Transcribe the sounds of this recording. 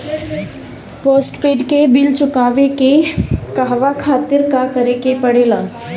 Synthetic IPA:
poːsʈpeːɖkebɪlt͡ʃʊkaːʋekekaɦʋakʰaːt̪ɪɾkakɐɾekepɐɽela

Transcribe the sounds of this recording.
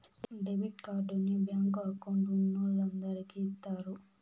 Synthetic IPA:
ɖeʋiɖkaːɾɖunibjaːŋɡoɐkɐwɳʈunːulɐnd̪ɐɾikiːt̪ːaːɾu

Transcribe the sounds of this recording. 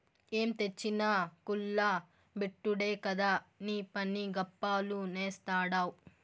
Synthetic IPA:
eːmt̪et͡ʃːinaːkulːaː | beʈːuɽeːkɐd̪aːniːpɐnːiɡɐpːaːluneːst̪aːɽaːw

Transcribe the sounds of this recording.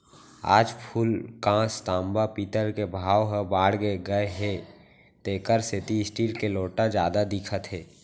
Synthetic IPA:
a̰ːd͡ʒpʰuːlkãːst̪ãːmbapiːt̪əɾkebʱaːwɦəbaːɽɡəeɡəeɦe | t̪eːkəɾset̪iɪsʈiːlkeloːʈad͡ʒjaːd̪ad̪ɪkʰət̪ɦeː

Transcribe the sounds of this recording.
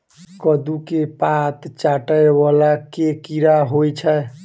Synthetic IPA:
kəd̪ukepat̪t͡ʃaʈəeβalakekiɾaɦojt͡ʃʰə

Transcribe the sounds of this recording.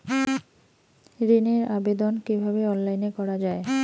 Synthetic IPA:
ɾineɾabed̪onkibʱabeɔnlajnekɔɾad͡ʑae

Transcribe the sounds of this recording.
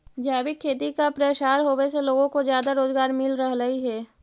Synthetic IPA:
d͡ʒaːbɪkʰːeːt̪ikapɾeːʃaːɾɦoːweseloːɡõkozjaːd̪aɾoːzɡaːɾmɪlɾəɦləiɦɛː

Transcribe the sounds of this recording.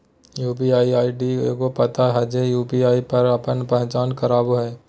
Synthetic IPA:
juːp̬iaːiaːiɖikopɐt̪aɦɐd͡ʒejuːpiaːipɐɾɐpənpɛ̃ɦt͡ʃaːnkɐɾaːbɦɛː

